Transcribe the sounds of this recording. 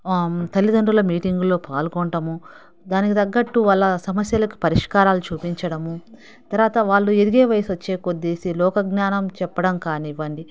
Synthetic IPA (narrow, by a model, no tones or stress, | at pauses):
t̪ɐlːid̪ɐɳɖulɐmiːʈiŋɡulo̞ːpaːlɡɔɳʈɐmu | d̪aːnikit̪ɐɡːɐʈːuʋɐlːɐsɐmɐsjɐlɐki̥pɐɾiʂkaːɾaːlut͡ʃuːpiɲt͡ʃɐɽɐmu | t̪ɐɾʋaːt̪ɐʋaːɭːueɾiɡe̞ːʋɐjɐsʋɐt͡ʃːe̞ːkod̪ːeːsilɔːkɐɡnaːnɐmt͡ʃɛpːɐɽɐmkaːniʋɐɳɖi